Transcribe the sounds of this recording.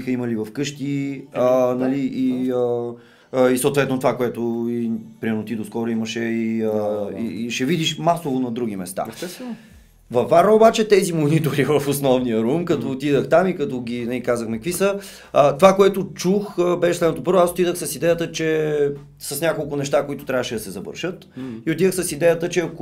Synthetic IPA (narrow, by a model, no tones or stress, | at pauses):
ixəiməlivɐfkɤʃt̪iənɐliʔiə | isoːt̪vɛt̪not̪ovakoɛt̪oipɾimɛɾnot̪id̪oskɔɾoiməʃɛiəḭiʃɛvid̪iʃmasovonɐd̪ɾuɡ̟imɛst̪a̰ɛ | vɐfːaɾnəobat͡ʃɛt̪ɛzimonit̪oɾivɐfosnɔvnijəɾumkɐt̪ɔt̪id̪əxt̪amikɐt̪ɔɡʲinɛikazəxmɛk̚əkvisə | ət̪ovakoɛt̪ʊt͡ʃuxəbɛʃɛslɛd̪not̪opɤɾvʊasot̪id̪əxsɐsid̪ɛjət̪ət͡ʃɛ | sɐsnʲakolˠkʊnɛʃt̪akoit̪ʊt̪ɾʲavəʃɛd̪ɐsɛzɐvə̰ɾʃət̪ioʊt̪id̪əxsɐsid̪ɛjət̪ət͡ʃɛɐk